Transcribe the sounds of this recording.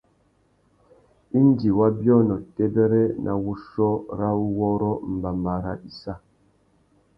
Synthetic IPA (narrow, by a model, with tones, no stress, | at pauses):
i˦n˦di˨wa˦bjɔ˦nɔ˨te˦bɛ˦ɾɛ˦nʔa̰˨wu˦ʃɔ˦ɾa˦wu˦wɔ˦ɾɔ˦m̩˨ba˨mba˨ɾa̰˦i˨sa˦